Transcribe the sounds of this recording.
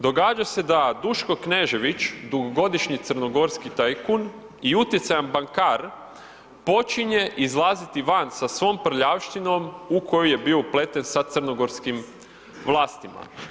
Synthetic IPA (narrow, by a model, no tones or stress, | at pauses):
d̪o̞ɡaːd͡ʒase̞d̪ad̪uʃkokne̞ʒe̞ʋit͡ʃd̪uɡoɡo̞d̪iʃɲit̪sərno̞ɡo̞ɾskit̪ajkun | iut̪jet̪sajanbaŋkaɾ | po̞t͡ʃiɲe̞ʔizlˠaːzit̪iʋansasʋo̞ːmpr̩ʎaʋʃt̪ino̞muko̞joje̞biople̞t̪e̞nsat̪sərno̞ɡo̞ɾskim | ʋlˠaːst̪ima̰